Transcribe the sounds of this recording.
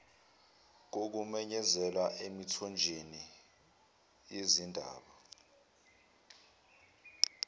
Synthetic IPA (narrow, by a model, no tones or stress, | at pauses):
k̬ok̬umɛɲɛzɛlaʔemitʰɔnd͡ʒʱeni | jezindʱa̰ːɓa